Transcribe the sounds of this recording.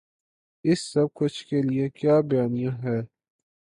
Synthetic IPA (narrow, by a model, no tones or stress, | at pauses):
ɪsːɐb̚kʊt͡ʃʰkeliekjaːbɐjaːnijãɦɛː